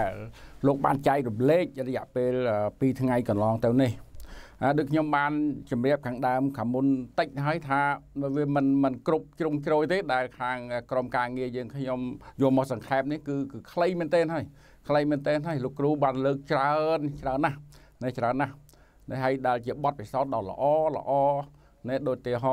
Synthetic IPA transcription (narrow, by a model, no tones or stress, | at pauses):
ɛlloːk̚ɓa̰ːnt͡ɕaɛk̚rumleːk̚rɔjɛ̆əʔpeːləːpiːt̪ʰŋajkɑnlɑːŋt̪ɨwnihhajɗoːc̚kʰɲomɓaːnt͡ɕɑmrɛ̆əp̚kʰaːŋɗaəmkʰaːŋmunt̪əc̚ɦaəjt̪ʰaːʋiəmɨnmɨnkrup̚t͡ɕruŋt͡ɕroːjt̪eːɗaɛlkʰaːŋəːkromkaːŋiəjəːŋkʰɲomjʊəlmɔːsɑŋkʰaɛm̚nihkɨːkɨːkʰləjmɨnt̪ɛːnɦaəj | kʰləjmɨːnt̪eːnɦaəjloːkruːɓaːnləːk̚t͡ɕraənt͡ɕraənːah | nɛt͡ɕraənːah | nɛɦaəjɗaɛlt͡ɕiəɓɑt̪̚pisaʊt̪̚ɗɑlə̰̆ʔɑːlə̰̆ʔɑː | nɛhɗoːc̚t̪eːɦo